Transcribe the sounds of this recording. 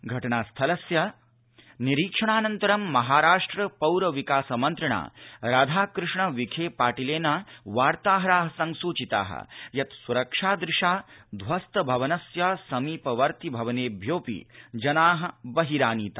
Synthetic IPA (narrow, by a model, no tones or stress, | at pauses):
ɡʱɐʈɐɳaːst̪ʰɐlɐsjɐ | niɾiːkʂɐɳaːnɐnt̪ɐɾɐmːɐɦaːɾaːʂʈɾɐpɐwɾɐʋikaːsɐmɐnt̪ɾɐɳa̰ːɾad̪ʱaːkɾɪʂɳɐʋikʰeːpaːʈileːnɐʋaːɾt̪aːɦɐɾaːɦɐsɐŋsuːt͡ʃit̪a̰ːɦɐ̰jɐt̪suɾɐkʂaːd̪ɾɪʂaːd̪ʱʋɐst̪ɐbʱɐʋɐnɐsjɐsɐmiːpɐʋɐɾt̪ibʱɐʋɐneːbʱjoːpḭd͡ʒɐnaːɦɐ̆bɐɦiɾaːniːt̪a̰ː